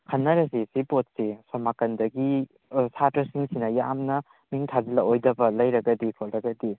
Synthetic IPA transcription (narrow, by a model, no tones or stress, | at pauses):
kʰɐnːɐɾɐsisipot̚sisɔmakɐndɐɡi | satɐsiŋsinɐjamnɐ | miŋtʰazilɐojdɐbɐlɐjɾɐɡɐdikʰolɾɐɡɐdi